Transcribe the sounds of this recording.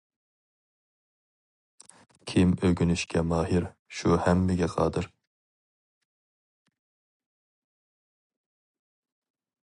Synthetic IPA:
kʲʰimøɡʲynyʃkʲʰɛmɑːɦɪɾʃuhɛmːɪɡʲɛqʰɑ̰ːd̪ɨɾ

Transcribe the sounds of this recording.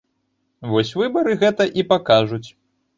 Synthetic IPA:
vɔsʲvɨbɐɾɨɣɛt̪ɐʔipakaʐut͡sʲ

